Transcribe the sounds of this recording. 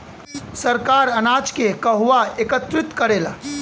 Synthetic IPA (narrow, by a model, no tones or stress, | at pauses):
səɾkaːɾənaːt͡ʃkekəɦʋaekət̪ɾɪt̪kəɾeːlaː